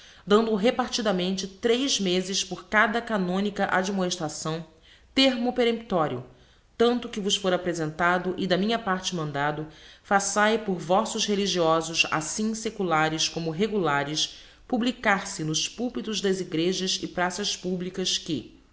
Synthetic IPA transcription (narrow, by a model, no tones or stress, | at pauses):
d̪ɐ̃nd̪ʊɦepaɾt͡ʃid̪ɐmẽnt͡ʃɪt̪ɾejzmezɪspʊɾkad̪ɐkanõnikɐʔad͡ʒimoneʃt̪ɾasɐ̃w̃ | t̪eɾmʊpeɾemit̪ɔɾjʊ̰ | t̪ɐ̃nt̪ʊkɪvʊsfoɾapɾezẽnt̪ad̪ʊʔɪd̪ɐmĩɲɐpaɾt͡ʃɪmɐ̃nd̪ad̪ʊfasajpʊɾvɔsʊzɦeliʒiɔzʊʃa̰sĩsekulaɾɪskõmʊɦeɡulaɾɪs | publikaɾsɪnʊʃpuwpit̪ʊzd̪ɐziɡɾeʒɐzɪpɾasɐspublikɐskɪ̰